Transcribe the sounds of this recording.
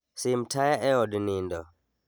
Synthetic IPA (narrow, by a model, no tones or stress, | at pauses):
simtʰajaʔɛɔdnindɔ̰